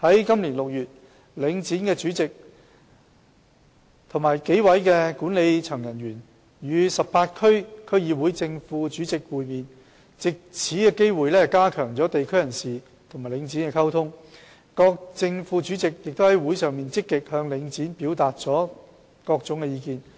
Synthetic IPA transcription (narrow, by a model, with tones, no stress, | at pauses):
hɐ˨˥jkɐ˥mliː˨˩nlʊ˨k̚jyː˨t̚ | lɪ˨˧ŋt͡siː˨˥nkɛː˧t͡syː˨˥t͡sɪ˨k̚ | t̪ʰʊ˨˩ŋmaː˨˩jke˨˥jwɐ˨˥jkɛ˧kuː˨˥nle˨˧jt͡ʃʰœː˨˩ŋjɐ˨˩nɥyː˨˩n | jyː˨˧sɐ˨p̚paː˧t̚kʰɵ˥ɥkʰɵ˥ɥjiː˨˧wuː˨˥jt͡sɪ˧ŋfuː˧˥t͡syː˨˥t͡sɪ˨k̚wuː˨˧jmiː˨n | t͡sɪ˨k̚t͡sʰiː˨˥kɛː˧ke˥jwuː˨jlɛː˥kaː˥kʰœː˨˩ŋt͡sɔː˨˥t̪e˨jkʰɵ˥ɥjɐ˨˩nsiː˨ | t̪ʰʊ˨˩ŋmaː˨˩jlɪ˨˧˥ŋt͡siː˨˥nkɛ˧kʰɐ˥wt̪ʰʊ˥ŋ | kɔː˧k̚t͡sɪ˧ŋfuː˨˧t͡ʃyː˨˥t͡sɪ˨k̚jɪ˨k̚t̪o˥hɐ˨˥jwu˨˥jsœː˨ŋmiː˨nt͡sɪ˥kːɪ˨k̚hœː˧ŋlɪ˨˧ŋt͡siː˨˥npi˨˥wt̪aː˨t̚t͡sɔː˨˥ | kɔː˧k̚t͡sʊ˨˧˥ŋkɛ˧jiː˧kiː˧n